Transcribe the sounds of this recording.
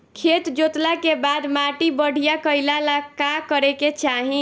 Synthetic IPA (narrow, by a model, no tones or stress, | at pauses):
kʰet̪d͡ʒot̪lakebad̪maʈibəɽ̤ʱijakəjlalakakəɾeket͡ʃaɦĩ